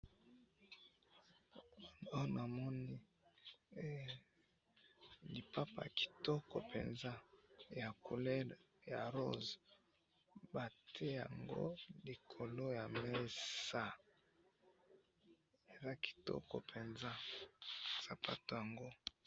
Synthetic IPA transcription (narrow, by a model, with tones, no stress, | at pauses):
na˨mɔ˦ni˦ | li˨pa˦pa̰˨ki̥˨tɔ˦kɔ̰˨pḛ˨nza˦ja˨ku˨lɛ˦l | ja˨ʁo̰˦z | ba˨tʰe˦ja̰˨ŋɡo̰˦li˨kʰo˨lo˦ja˨me˦sa˦ | e˨za˦ki̥˨tɔ̰˦kɔ̰˨pʰe˨nza˦ | sa˨pa˦to˨ja˨ŋɡo˦